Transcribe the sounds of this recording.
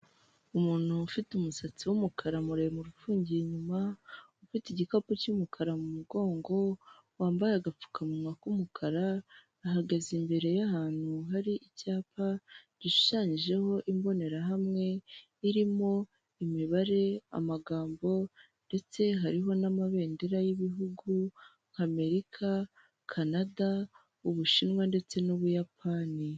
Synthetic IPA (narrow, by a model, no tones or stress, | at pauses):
umuːn̥huːfitumusat͡siwumukʰaɾamuɾemuɾufuːɲɟieɲumaufitiɟikopucumukʰaɾamumuɡo̞ːŋɡo̞ | waːmbajaɡap͡fu̥kʰamumakumukʰaɾa | aɦaɡazimbe̞ɾe̞jahaːn̥huɦaɾiʔicaːpaɟiʃʃaːɲiʒe̞ho̞ʔimbo̞ne̞ɾaɦamŋe̞ | iɾimo̞ | imiβaɾe̞a̰maɡaːmbo̞ | nde̞t͡se̞ɦaɾiɦo̞namaβe̞ːndeɾajiβiɦuɡu | ŋ̥hame̞ɾikʰa | kʰanada | uβuʃinwande̞t͡se̞nuβujapʰani